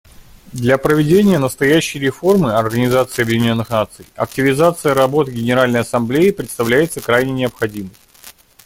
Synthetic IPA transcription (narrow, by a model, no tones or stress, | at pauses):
d̪lʲɐpɾəvʲɪdʲenʲɪjənəst̪ɐjæɕːɪjɾʲɪfo̞rmɨɐrɡənʲɪzat̪sɨːɐbjɪdʲɪnʲo̞nːɨxnat̪sɨjɐ̰k̚tʲɪvʲɪzat̪sɨjəɾɐbo̞t̪ɨɡʲɪnʲɪɾalʲnəjɐsɐmblʲeɪpɾʲɪt̪st̪ɐvlʲæjɪt̪səkɾajnʲɪnʲɪəpxɐdʲimɨj